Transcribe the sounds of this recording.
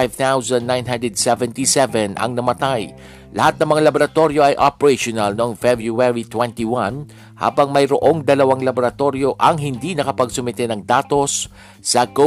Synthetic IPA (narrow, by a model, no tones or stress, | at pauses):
jvt̪awsɐ̃nd̪najnɦãnd̪ɹɛd̪̚sɛvɛ̃nt̪isɛvɛnʔɐ̰ŋnɐmɐt̪aj | lɐ̰hat̪̚nɐŋmɐŋalɐboɾɐt̪o̞ɾjo̞ʔɐjʔopɛɹɛʃonɐlnoʔoŋfɛbɹuɛɹit̪wɛ̃nt̪iwan | ha̰ːbɐŋmɐjɾoʔo̞ŋd̪ɐlɐwaŋlɐboɾɐt̪o̞ɾjo̞ʔɐŋɦɪnd̪inɐkɐpɐɡsʊmɪt̪ɛnɐŋd̪aːt̪o̞sː | ɐɡo